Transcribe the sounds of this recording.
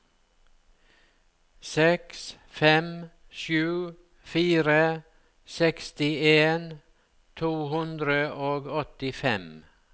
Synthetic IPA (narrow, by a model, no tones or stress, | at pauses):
sɛks | fɛm | ʃʉː | fiːɾə | sɛkst̪ɪeːn | t̪ʰuːhʉnd̪ɾəʔoːɡɔt̪ɪfɛm